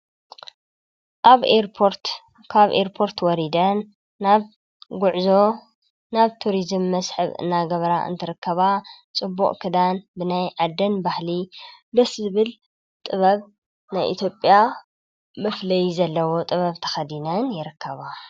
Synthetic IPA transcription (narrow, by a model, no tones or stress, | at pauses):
ʔaβeɾpʰoɾt̪ | kʰaβʔeɾpʰo̞ɾt̪ʰwɔɾid̪ɐn | aβ | ɡʊʕzo̞ | naβt̪ʰuɾizɨmːɐsħɨ̰βɨ̰nːaɡɐβɾaʔɨ̰nt̪ʰɨɾɨkʰːɐβa | t͡sʼɨbːṵʔʼkʰɨd̪anbɨnajʕad̪ːɐnbahlid̪ɐszɨβɨl | t̪ʼɨβɐβ | najʔḭt̪ʰjo̞pʼja | mɐflɐjizɐlːɐwo̞t̪ʼɨβɐβt̪ʰɐ̥xɐd̪inɐnjɪɾɨkʰːɐβa